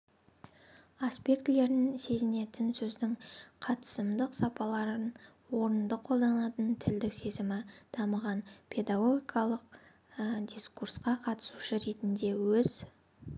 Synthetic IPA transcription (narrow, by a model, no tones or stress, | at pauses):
aspʲe̞kt̪le̞ɾnɪnse̞zɪne̞t̪ɪnsɵzd̪ɪŋqʰɑt̪ə̥səmd̪əqsɑpɑlˠɑɾən | wo̞ɾənd̪əqʰo̞lˠd̪ɑnɑt̪ənt̪ʰɪld̪ɪkse̞zɪmɪd̪̥ɑməʁɑnpʲʰe̞d̪aɡo̞ɡʲikɑlˠəq̚ | d̪ʲiskursqɑqʰɑt̪ə̥suʃəɾe̞t̪ɪnd̪e̞wɵz